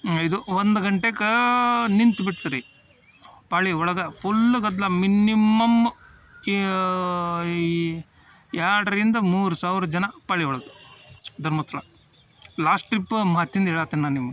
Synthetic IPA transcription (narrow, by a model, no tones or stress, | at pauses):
id̪uʋond̪uɡɐɳʈekɐnint̪biʈt̪ɐɾi | paːɭiɔɭɐɡɐpʰulːɡɐd̪lɐminimɐm | jaːɽɐɾind̪ɐmuːɾusaːʋɾɐd͡ʒɐnɐpaːɭiɔɭɐɡɐd̪ʱɐɾmɐst̪ːɐɭɐ | laːsʈipːmaːt̪ːjind̪ɐɦɛːɭaːt̪ːinnaːnːimːɐ